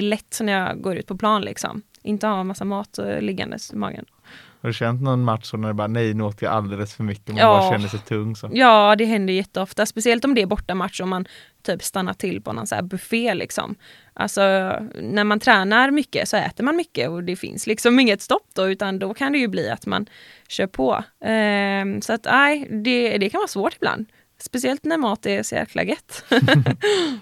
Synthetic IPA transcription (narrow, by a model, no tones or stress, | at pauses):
lɛt̪ːnæɾjɑɡoːɾʉ̟t̪pʰɔpʰlɑːnlɪ̰ksɔ̰m | ʔɪnt̪əhamasːamɑːt̪lɪɡːa̰nd̪ə̰smɑ̰ːɡə̰n | had̪ʉɕɛnt̪nɔnmat̪ʂɔnæɖɛbɑːɾanɛjnʉːoːt̪əja̰ʔa̰ld̪ɛləsfœɾmʏkːəɔmɑɕɛnːəʂɛjt̪ʰɵŋːsɔjɑːd̪ɛɦɛnd̪əjjɛt̪ːəɔft̪aspɛsɪɛlt̪ɔmd̪ɛæɾbɔʈːamat̪ʂɔman | t̪ʰyːpst̪anːaʈʰɪlːpʰɔnɔ̰nsæ̰ːɾbɵfeːlɪ̰ksɔ̰m | ʔa̰lsɔnæɾmant̪ʰɾɛːnaɾmʏkːə̰sɔɛ̰ːt̪əɾmanmʏkːə̰ɔd̪ɛfɪ̰nslɪksɔmɪŋːət̪st̪ɔpːd̪̥ɔʉ̟ːt̪and̪ɔkʰand̪ɛjɵblḭːa̰t̪ma̰nɕøːpʰɔ̰ | sɔat̪æɪd̪ɛd̪ɛkʰanvɑːsvoːʈɪbla̰nd̪ | spɛs̬ɪɛlt̪næɾmɑːt̪ɛsɔjæ̰ɾkʰla̰ɡɛt̪ː